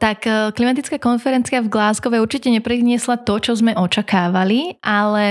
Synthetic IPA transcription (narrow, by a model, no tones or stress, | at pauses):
t̪akklimat̪it͡skakɔnfɛɾɛnt͡siavɡlaːzɡɔʋɛuɾt͡ʃicɛɲɛpɾiɲɪɛslat̪ɔt͡ʃɔzmɛʔɔt͡ʃakaːʋaliʔalɛ